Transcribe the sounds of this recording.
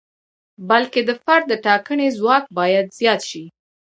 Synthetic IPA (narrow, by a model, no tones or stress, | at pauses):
balked̪əfaɾd̪̚ːəʈɑkənezwɑk̚bɑjad̪zjɑt̪ʃi